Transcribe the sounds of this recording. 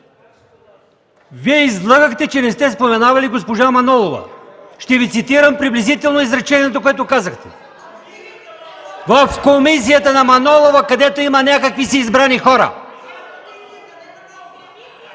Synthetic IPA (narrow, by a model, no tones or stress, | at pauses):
viɛizlˠaɡəxt̪ɛt͡ʃɛnɛst̪ɛspomɛnavɐliɡospoʒamɐnɔlˠovɐ̰ʃt̪ɛvit̪sit̪iɾəmpɾiblizit̪ɛlˠnoizɾɐt͡ʃɛniɛt̪okoɛt̪okazəxt̪ɛ̥̰ | vɐfkomis̬ijət̪ənɐmɐnɔlˠovɐkɐd̪ɛt̪oimɐnʲakəkvisiːzbɾanixɔɾə̰